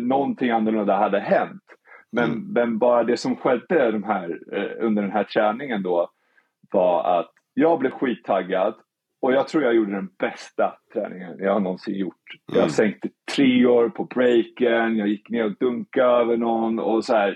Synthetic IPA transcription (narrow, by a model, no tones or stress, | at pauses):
nɔnt̪ʰɪŋanːəlɵnd̪aɦad̪ːəɦɛnt̪mɛnmɛnbɑːɾad̪ɛsɔmɧɛd̪ːəd̪ɔmɦæːɾɵnd̪əɖɛnɦæːʈʰɾɛːnɪŋənd̪ɔ | vɑɾa̰t̪ | jɑːɡ̚blɛvɧiːt̪ʰːaɡːad̪ | ɔjɑːɡ̚t̪ʰɾuːɾjɑɡjuːɖːəd̪ɛnbɛst̪at̪ʰɾɛ̰ːnɪŋə̰njɑːɡhaɳɔnsɪ̰ŋjʊʈːjɑ̰ːasɛŋk̚t̪t̪ʰɾeːoːɾpʰɔbɾɛjkənjɑːjɪkːneːɾɔd̪ɵŋkaøːvəɳɔnɔ̰sɔhæːɾ